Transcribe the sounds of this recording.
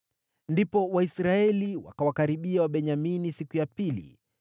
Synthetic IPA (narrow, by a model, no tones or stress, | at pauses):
ndipɔwaisɾaɛliwa̰kawakaɾiɓiawaɓɛɲaminisikujapilḭ